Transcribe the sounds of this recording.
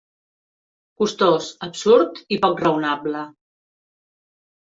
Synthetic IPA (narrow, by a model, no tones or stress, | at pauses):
kust̪osəbsuɾt̪ipɔkrəwnablə